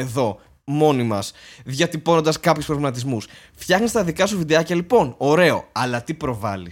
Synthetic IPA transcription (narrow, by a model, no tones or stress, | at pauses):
eðo̞ | mo̞nimɐsðʝɐt̪ipo̞no̞nd̪ɐskɐpçuspɾovlimɐt̪izmus | ft̪çɐxnist̪ɐðikɐs̬uvid̪eɐcɐlipo̞no̞ɾe̞o̞̰ɐlɐt̪ipɾo̞vɐ̰lis